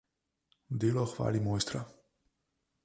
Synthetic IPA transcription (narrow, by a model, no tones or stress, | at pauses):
d̪iloxva̰limojst̪ɾa